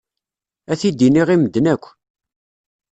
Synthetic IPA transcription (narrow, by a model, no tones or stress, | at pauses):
æθid̪iniʁiməd̪nækʷː